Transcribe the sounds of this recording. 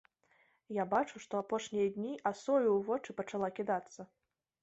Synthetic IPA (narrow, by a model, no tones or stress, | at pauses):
jabat͡ʂuʂt̪ɔapɔʂnʲijɐd̪ʲnʲiʔasɔjuwvɔt͡ʂɨpɐt͡ʂalˠakʲid̪at̪sːɐ